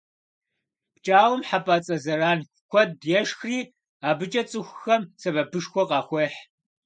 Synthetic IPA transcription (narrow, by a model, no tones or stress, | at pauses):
pt͡ʃʼaːwʊmħapʼaːt͡sʼɐzɐɾaːnxʷkʷʰɔd̚djɛʂxriː | aːbɨt͡ʃʼɐt͡sʼɨxʷxɐmsɐbɐbɨʂxʷɔqɑːxʷɔħ